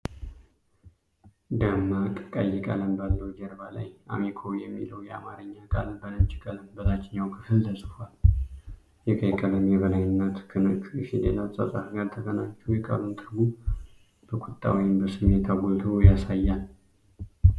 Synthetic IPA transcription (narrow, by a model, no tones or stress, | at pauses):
d̪amːakʼkʼajːɛkʼaləmbalːəwd͡ʒɛɾbala̰jʔa̰mikʰojɛmːḭləwjɛa̰maɾɨɲːakʼalbənəmt͡ʃikʼaləmbəzʼat͡ʃːɪɲːawkʰɨfɨlt̪ʰəsʼɨfal | jɛkʰəjɛkʼələmjɛβəlajɪnːət̪kʰɨnɨkʼɨʃilelasʼə̰sʼafɡaɾt̪ʰəkənaɲt͡ʃːɛwjɛkʼə̰ɾunt̪ʰɨɾbu | b̥əkʼʊt̪ʼːa̰wijmbəsɨmet̪ʰaɡolt̪ʰojasajːal